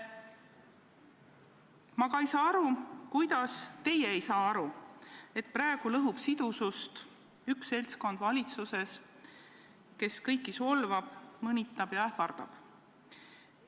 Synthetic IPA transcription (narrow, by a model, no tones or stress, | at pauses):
mɑkɑejsɑːɑɾukujd̪̥ɑst̪e̞jeejsɑːɑɾue̞t̪̚prɑeɡ̥ulɤɦub̥sid̪̥usust̪ | yksːe̞lʲsko̞nd̪vɑlʲit̪suse̞s | ke̞skɤjkːˑiso̞lvɑb̥mɤnʲit̪ːˑɑb̥jɑæfɑrd̪̥ɑ̰b̥